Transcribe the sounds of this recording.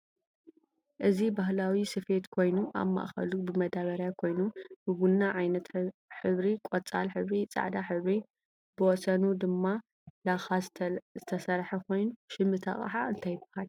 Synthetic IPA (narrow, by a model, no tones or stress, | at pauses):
ʔɨzibaɦlawisɨfe̞t̪kʰo̞jnuʔa̰mːa̰ʔxɐ̰lubɨmɐd̪aβɐɾjakʰo̞jnubɨβunːaʕajnɐt̪ħɨβɾikʼot͡sʼa̰lħɨβɾit͡sʼa̰ʕd̪aħɨβɾi | bɨwɔsɐnud̪ɨmːa | laxazɨt̪ʰɐsɐɾħɐkʰo̞jnuʃɨmːɨt̪ʰa̰χʼa̰ħaɨnt̪ʰajɨbːɐ̥hal